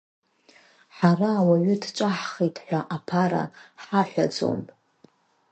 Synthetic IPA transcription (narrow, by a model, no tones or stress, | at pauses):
ħaraːwaɥʏdt͡ʃʷʼaħχitʰħʷᶣaʔapʰaɾa̰ħaħᶣʷad͡zo̰mʼ